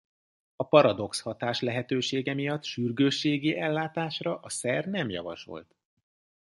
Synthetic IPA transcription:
ɒpɒɾɒd̪o̞kshɒt̪aːʃlɛɦɛt̪øːʃeːɡɛmijɒt̪ːʃyrɡøːʃːeːɡiʔɛlːaːt̪aːʃrɒʔɒsɛrnɛmjɒ̰vɒ̰ʃo̞̰lt̪

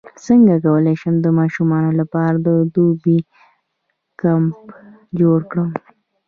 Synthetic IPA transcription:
səŋɡakawəleʃəmd̪əmɑʃumɑnolapɑɾad̪əd̪ubi | kamp | d͡ʒoɽkɽəm

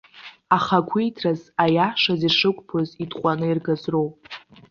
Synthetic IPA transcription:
aχaɡʷʰijtʰrazajaʂaziʂɨkʷʼpʰozidʼqʷʼanɨirɡazro̞wpʼ

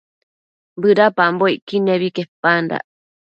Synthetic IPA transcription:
bɨɾapamboiʔkineβikehpːanda̰ʔ

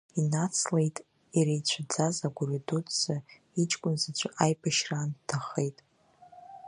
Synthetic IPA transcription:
inat͡sʰle̞jtʼ | iɾejt͡ɕʷʰad͡zazaɡʷuridutʰz̥a | it͡ʃʼkʷʼʊnzat͡ɕʷʰʔajpʰʼaʃrantʰaχejtʼ

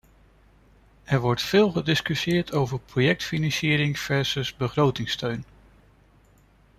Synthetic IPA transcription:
ɛɹʋɔɹtfɪːlˠχədɪskyʃɪːɹtʰowvəɹprojɛk̚tfinɑnsɪːɾɪŋfɛɹsəsbəχrowtɪŋstøɥn

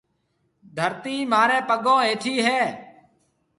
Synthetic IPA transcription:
d̪ʱəɾt̪iːmaːɾɛ̃ːpəɠõːeːʈʰiːɦɛː

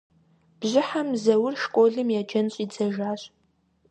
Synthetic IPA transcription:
b̥ʑɪħamzɐwʊrʃkʷʼoːɮɨmjad͡ʒɐnɕʼid͡zɐʒaːɕʼ

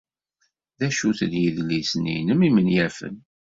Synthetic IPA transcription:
ðæʃuθənjəðlisnḭnəmimənjæfə̰n

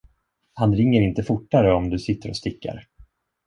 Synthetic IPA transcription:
hanɾɪŋːəɾɪnt̪əfʊʈːaɾəɔmd̪ɵsɪt̪ːəɾɔ̰st̪ɪkːa̰ɾ

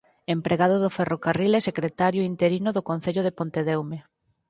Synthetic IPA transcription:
empɾeɣaðʊðʊferokarilɛsekɾet̪aɾjʊint̪eɾinoðokon̟θeʎʊð̞epont̪eðɛwme

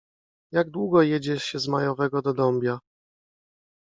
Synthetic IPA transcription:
jaɡd̪wuɡɔjɛd͡ʑɛɕɛzmajɔvɛɡɔd̪ɔd̪ɔmbʲja

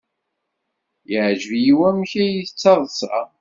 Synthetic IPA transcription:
jəʕʒəvjiwæmçæjiθət͡sːɑðˤəsɑ̰

